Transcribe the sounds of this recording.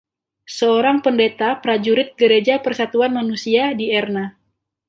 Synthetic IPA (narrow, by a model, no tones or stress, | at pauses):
səoɾaŋpəndet̪apɾad͡ʒuɾɪt̪̚ɡəɾed͡ʒapərsat̪uanmanusiadiɛrna